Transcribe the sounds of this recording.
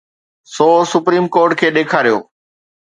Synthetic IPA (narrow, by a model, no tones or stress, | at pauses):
sɔːsʊpɾiːmkoːɾʈkʰeːɗeːkʰaːɾijo̰ː